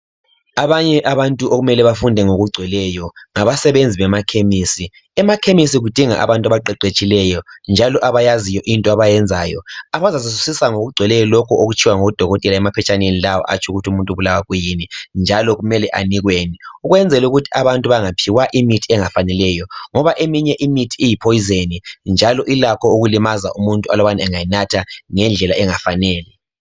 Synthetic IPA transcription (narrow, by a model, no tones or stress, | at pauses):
aβaɲɛʔaβantʼuʔoɣumɛlɛβafundʱɛŋoɣuɡ͡ǀʱɛlɛjɔŋaβasɛβend͡zʱiβɛmakʰemisi | ɛmakʰemis̬iɣud̥ʱiŋa̰ʔa̰βantʼaβaǃɛǃet͡ʃʼilɛjɔnd͡ʒʱalɔʔaβajazijɔʔintʼɔaβajɛnd͡zʱaːjɔ̰aβazasis̬u̥sisaŋoɣuɡ͡ǀʱwɛlɛjɔlɔkʰɔoɣut͡ʃʰiwaŋoɣud̥ʱɔɣɔtʼɛlaɛmapʰɛt͡ʃʰʼanenilawɔ̰ʔa̰t͡ʃʰʼuɣutʰiumuntʼuβulawaɣujinind͡ʒʱalɔɣumɛlɛʔa̰niɣweniuɣwɛnd͡zʱɛluɣutʰi̥aβantʼuβaŋapʰiwaʔimitʰiɛŋafanɛlɛjɔŋɔβaʔemiɲɛʔimitʰiijipʰojizenind͡ʒʱalɔʔilakʰɔuɣulimaza̰ʔumuntʼualɔβanaɛŋajinatʰaŋɛnd͡ɮʱɛlaɛŋafanɛːlɛ